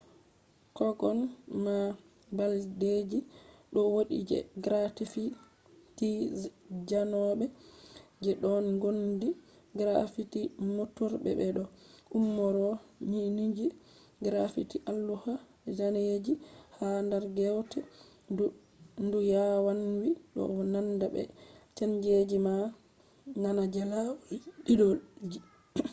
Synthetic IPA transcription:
kɔɡɔnma | balded͡ʒiɗɔwoɗḭd͡ʒɛ̰ɡɾatifi | ti | d͡ʒanɔɓɛ | d͡ʒɛɗɔnɡondi | ɡɾafitimotuɾbɛ̰bɛɗɔʔumːɔɾɔɲinid͡ʒi | ɡɾafitiʔalːuha | d͡ʒaned͡ʒihandaɾɡɛwtɛ | ndujawanwiɗɔ̰nandabɛ̰t͡ʃaɲd͡ʒed͡ʒima | nanad͡ʒalawɗiɗɔd͡ʒi

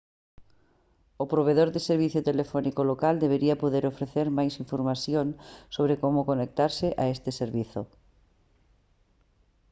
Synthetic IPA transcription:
opɾoβ̞eðoɾðɪseɾβ̞iθjot̪elefɔnikolokald̪eβ̞eɾiɐpoðeɾofɾeθeɾmajsiɱfoɾmaθjoŋsoβɾekomʊkonek̚t̪aɾsɪʔaest̪ɪseɾβiθo

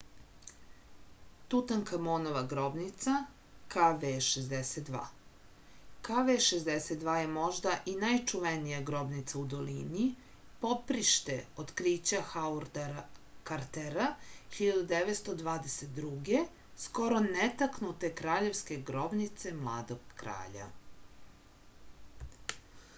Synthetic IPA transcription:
t̪ut̪aŋkamonoʋaɡɾo̞bnit̪sa | kaʋeʃezd̪eset̪̚d̪ʋa̰ː | kaʋeʃezd̪eset̪̚d̪ʋaːjemo̞ʒd̪aʔinajt͡ʃuʋenijaɡɾo̞bnit̪saud̪o̞lini | po̞pɾiʃt̪eot̪kɾiːt͡ɕaxauɾ | kaɾt̪eɾaçiʎad̪ud̪eʋet̪st̪o̞d̪ʋaːd̪eset̪̚d̪ɾuɡe | sko̞ɾo̞net̪aknut̪e̞kɾaːʎe̞ʋske̞ɡɾo̞bnit̪se̞mlˠa̰ːd̪o̞ɡ̚kɾa̰ːʎa̰

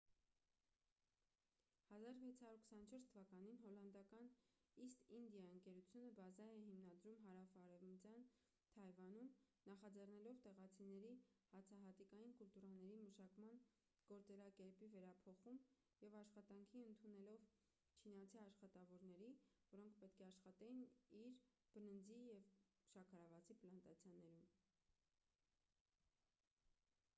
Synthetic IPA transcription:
hɑzɑɾvɛt͡sʰhɑɾuɾkʰə̥sɑnət͡ʃʰɔɾst̪ʰvɑkɑn̪inɦɔlɑnd̪ɑkɑn | ist̪ind̪jɑəŋkɛɾut͡sʰjunəbɑzɑɛhimnɑd̪ɾumɦɑɾɑfɑːɾɛvmət͡sjɑn | t̪ʰɑjvɑnum | nɑχɑd͡zɛrnɛlɔvt̪ɛʁɑt͡sʰinɛɾihɑt͡sʰɑɦɑt̪ikɑjinkult̪uɾɑnɛɾiməʃɑkmɑn | ɡ̥ɔɾt͡sɛɾɑkɛɾpivɛɾɑpʰɔχum | jɛvɑʃχɑt̪ɑŋkʰiənt̪ʰunɛlɔv | t͡ʃʰinɑt͡sʰiɑʃχɑt̪ɑvɔɾnɛɾi | vɔɾɔŋkʰpɛt̪̚kʰɛɑʃχɑt̪ɛjiniɾb̥ənənd͡zijɛv | ʃɑkʰɑɾɑvɑt͡sʰiplɑnt̪ɑt͡sʰjɑnɛɾum

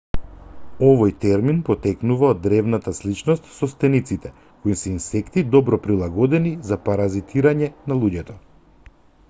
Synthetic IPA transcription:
ɔvɔjt̪ɛɾminpɔt̪ɛknuvaod̪ːɾɛvnat̪aslit͡ʃnɔst̪sɔst̪ɛnit̪sit̪ɛ | koisɛinsɛkt̪id̪ɔbɾɔpɾilˠaɡɔd̪ɛnizapaɾazit̪ʰiɾaɲɛnalˠuɟɛt̪ɔ

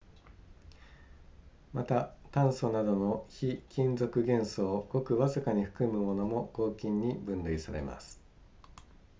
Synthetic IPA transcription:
mat̪at̪ãɰ̃so̞nad̪o̞no̞çikʲĩnd͡zo̞kɯ̟ɡẽ̞ɰ̃so̞ːɡ̥o̞kɯ̟βazɨkaɲ̟iɸɯ̥kɯ̟mɯ̟mo̞no̞mo̞ɡ̥o̞ːkʲĩɲ̟ːibɯ̟̃nɾɯ̟isaɾe̞̰ma̰sɨ̥

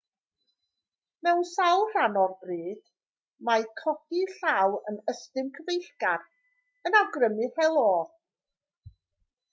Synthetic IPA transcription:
mɛwnsawˠr̥anɔrbriːd̥ | makʰɔdiɬawənəstɨmkʰəvejɬɡar | ənawɡrəmɨhɛlˠoː

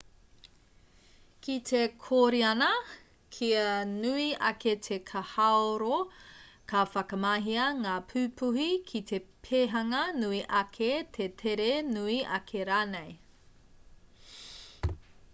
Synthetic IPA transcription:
kʰitʰekʰoːɾiɐnɐ | kʰiɐnuiʔɐketʰekʰɐhaoɾokʰɐfɐkɐmaːɦiɐŋaːpʰʉːpʰuhikʰit̪ʰepʰeɦɐŋɐnuiʔɐkʰet̪ʰetʰeɾenuiʔɐ̰kʰeɾaːnej

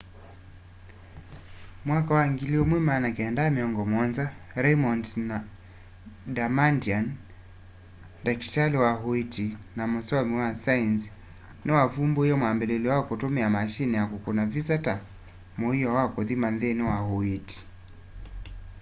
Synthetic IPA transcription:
mwakawaŋɡiliɔmwimanakiɛndaːmiɔŋɡɔmwanza | ɾɛmɔndna | damandian | daki̥taliwaɦuitinamɔsɔmiwasains | nɛwavumbɔhijɔmwambɛlɛliwakɔtumɛamaʃinijakukunavisata | mɔijɔwakɔðimanðɛnɛwahuiti̥

